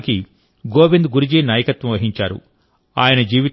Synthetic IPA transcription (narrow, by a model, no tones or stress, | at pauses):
ki | ɡoːbind̪ɡuɾid͡ʒiːnaːjɐkɐt̪ʋɐmʋɐɦiɲt͡ʃaːɾṵ | aːjɐnɐd͡ʒiːʋit̪